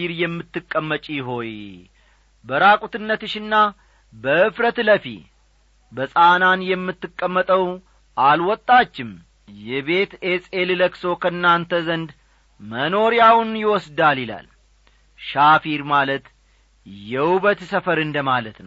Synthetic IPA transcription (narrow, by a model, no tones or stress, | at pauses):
iɾjɛmːɨt̪ːɨkʼːəmːət͡ʃʼijɦo̞j | bəɾakʼut̪ɨnːət̪ɨʃɪnːa | bəɨfɾət̪ləfḭ | bəsʼananjɛmːɨt̪ːɨkʼːəmːət̪ʼəw | ʔalwɔt̪ʼːat͡ʃːɪm | jɛβe̞t̪esʼelɨləkso̞kʰəɨnːant̪ʰəzənd̪ | məno̞ɾjawʊnjɪwɔsd̪aljɪla̰l | ʃafiɾmalət̪ | jɛuβət̪səfəɾɨnd̪əmalət̪nəw